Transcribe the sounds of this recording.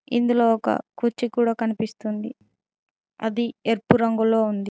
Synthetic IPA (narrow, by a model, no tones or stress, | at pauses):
ḭnd̪ulo̞ːɔkɐ̰kut͡ʃːikuːɽaːkɐnipist̪und̪i | ɐ̰d̪ieɾpuɾɐŋɡulo̞ːund̪i